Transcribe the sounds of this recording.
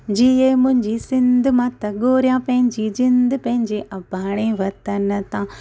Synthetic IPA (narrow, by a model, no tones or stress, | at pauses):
d͡ʑiemʊ̃ɦɪ̃ɲd͡ʑisɪ̃nd̪ʱʊ̆mãːt̪ɐɠoːɾijãpɐ̃ɦɪ̃ɲd͡ʑid͡ʑɪ̃nd̪̆ʱpɐ̃ɦɪ̃ɲd͡ʑeːʔɐbʱaːɽ̃eʋɐt̪ɐnt̪ʰãː